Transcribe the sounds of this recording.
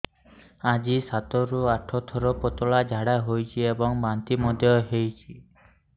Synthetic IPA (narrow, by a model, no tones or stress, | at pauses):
ad͡ʒisat̪ɔɾuaʈʰɔt̪ʰɔɾɔpɔt̪ɔɭad͡ʒʱaɽaɦojt͡ʃʰiebɔŋbant̪imɔd̪ʱjɔɦejt͡ʃʰi